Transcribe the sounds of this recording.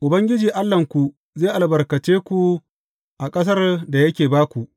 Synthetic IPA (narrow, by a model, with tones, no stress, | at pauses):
ʔʊ˨bɐ˦ŋɡʲɪ˦d͡ʒiː˨ʔa˦lːɐ˨ŋkʷu˨ | zeː˦˨ʔa˨lbɐ˨rkɐ˨t͡ʃeː˦kʷu˨ | ʔa˨kʼɐ˦s̬ɐ˦rda˨jɐ˦kʲeː˨baː˦kʷu˨ʔ